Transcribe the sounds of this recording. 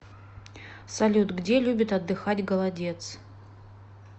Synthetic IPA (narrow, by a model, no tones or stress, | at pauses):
sɐlʲut̪ɡdʲelʲubʲɪt̪ɐd̪ːɨxatʲɡəlˠɐdʲe̞t̪s